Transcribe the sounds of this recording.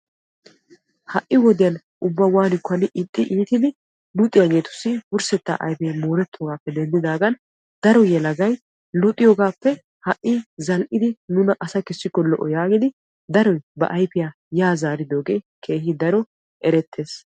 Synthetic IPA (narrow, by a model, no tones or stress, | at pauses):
hɐʔʔːɪwɔd̪ɪjɐn | ʔʊbːɐwaːnɪkːʊɐnɪʔɪt̪ʼːɪʔiːt̪ɪd̪ɪ | lʊt̪ʼːɪjaɡe̞ːt̪ʊ̥sːɪbʊɾsɛt̪ːa̰ːʔɐ̰jpɛjmoːɾɛt̪ʰːoɡaːpːɛd̪ɛnd̪ɪd̪aːɡɐn | d̪ɐɾɔjɛlɐɡɐj | lʊt̪ʼːɪjɔːɡaːpːɛ | hɐʔːɪzɐlʔɪd̪ɪnʊnɐʔɐsɐkɛsːɪkːɔlɔ̰ʔɔjaːɡɪd̪ɪ | d̪ɐɾɔjbɐ̰ʔɐjpɪja | jaːzaːɾɪd̪o̞ːɡe̞ː | kʰe̞ːɦɪd̪ɐɾɔ | ʔɛɾɛt̪ʰːe̞ːs